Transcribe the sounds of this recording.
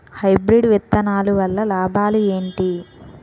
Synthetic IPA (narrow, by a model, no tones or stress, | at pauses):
hɐjbɾiɖʋɛt̪ːɐnaːluʋɐlːɐlaːbʱaːlue̞ːɳʈi